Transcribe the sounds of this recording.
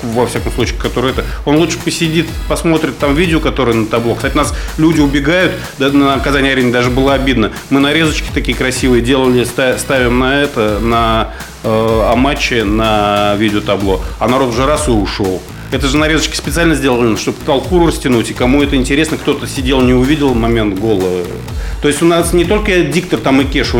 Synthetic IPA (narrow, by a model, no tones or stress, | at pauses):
vɐfsʲakəmslˠut͡ɕʲiːkɐt̪o̞ɾɨjɛt̪əo̞nlˠut͡ʂʂɨ̥pəsʲɪdʲit̪pɐsmo̞t̪ɾʲɪt̪ːamvʲidʲɪokɐt̪o̞ɾɨjənət̪ɐblo̞ksatʲɪʊnaslʲudʲɪʊbʲɪɡajʊt̪nəɐkɐzanʲɪɐɾʲeɪnʲɪd̪aʐɨbɨlˠəɐbʲid̪nə | mɨnɐɾʲe̞zət͡ɕkʲɪ̥t̪ɐkʲijəkɾɐsʲivɨjədʲe̞lˠəlʲɪst̪ast̪avʲɪmnɐɛt̪ənə | ɐmat͡ɕːɪnəvʲidʲɪot̪ɐblˠo̞ɐnɐɾo̞t̪ʊʐɛɾasɨʊʂo̞lˠ | ɛt̪əʐɨnɐɾʲezət͡ɕkʲɪ̥spʲɪt̪sɨalʲnəzʲdʲelˠəlˠʲnʂt̪obt̪ɐlˠkuɾʊɾəsʲtʲɪnutʲɪkɐmuɛt̪əɪnʲtʲɪɾʲesnəkt̪o̞t̪əsʲɪdʲe̞lˠnʲɪʊvʲidʲɪlˠmɐmʲe̞nt̪ɡo̞lˠə | t̪o̞ɪsʲtʲʊnasnʲɪt̪o̞lʲkədʲik̚t̪ərt̪amɨkʲeʂ